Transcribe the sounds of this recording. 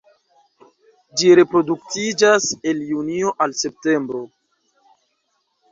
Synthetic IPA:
d͡ʒiɾe̞pɾo̞duk̚tid͡ʒase̞ljunio̞ʔalse̞p̚te̞mbɾo̞

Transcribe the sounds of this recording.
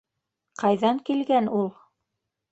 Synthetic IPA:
qɑjðɑŋkilɡænulˠ

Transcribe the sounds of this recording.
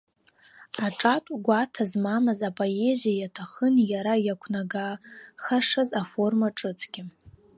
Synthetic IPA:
aʈ͡ʂʼatʷʼɡʷatʰazmamɨzapʼoe̞zijajatʰaχənjaɾajakʷʰnaɡaχaʂazafo̞rmaʈ͡ʂʼɨt͡sʰʼɡʲɪ

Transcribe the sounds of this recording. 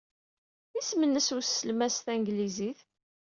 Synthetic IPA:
ismənːəsusːəlmæsθæŋɡliziθ

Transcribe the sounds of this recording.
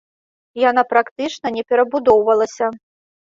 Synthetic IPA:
jan̪apɾakt̪ɨt͡ʂnɐnʲɛpʲɛɾɐbud̪ɔwvɐlˠɐsʲɐ

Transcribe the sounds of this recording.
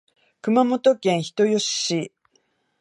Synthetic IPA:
kɯ̟mamo̞t̪o̞kẽ̞ɰ̃çi̥t̪o̞jo̞ɕɕi

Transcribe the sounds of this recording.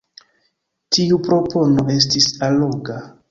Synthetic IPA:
tiupɾo̞po̞no̞ʔe̞s̬tisaloɡa

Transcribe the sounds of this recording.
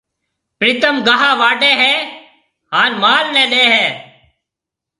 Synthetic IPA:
pɾiːt̪əmɡaɦaːʋaːɖɛːɦɛː | ɦaːnmaːlnɛ̃ːɗeːɦɛː

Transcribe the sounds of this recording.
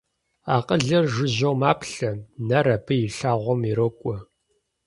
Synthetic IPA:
aːqʼəɮɐrʒɨʑɐwmaːpʰɬɐnɐɾɐpʰɨjɪɬaːʁʷɔmiɾokʷʼɔ

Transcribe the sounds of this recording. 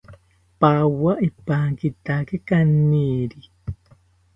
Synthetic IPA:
pawaʔipaːŋkit̪akekanːiːɾi

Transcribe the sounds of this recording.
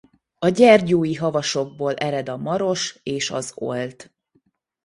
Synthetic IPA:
ɒɟɛrɟoːjiɦɒvɒʃo̞ɡ̚boːlʔɛɾɛd̪ɒmɒɾo̞ʃeːʃɒ̰zo̞̰lt̪

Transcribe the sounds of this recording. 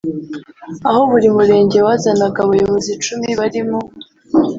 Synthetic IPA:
aɦo̞βuɾimuɾe̞ːɲɟe̞waːzanaɡaβajo̞βo̞zit͡ʃumiβaɾimo

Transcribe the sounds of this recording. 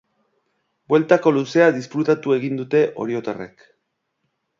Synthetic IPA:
bwe̞lt̪ako̞luse̞aðisfɾut̪at̪ue̞ɣind̪ut̪e̞ʔo̞̰ɾio̞t̪arḛk

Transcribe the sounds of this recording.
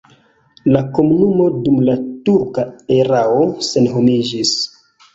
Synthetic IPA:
lako̞munumo̞dumlatuɾkaeɾaose̞nɦomid͡ʒis

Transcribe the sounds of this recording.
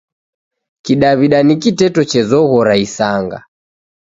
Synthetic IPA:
kiɗaβiɗanikitɛtɔt͡ʃɛzɔɣɔɾaisaŋɡa̰

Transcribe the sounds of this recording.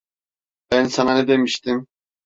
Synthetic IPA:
b̥ænsananɛd̪emiʃt̪im

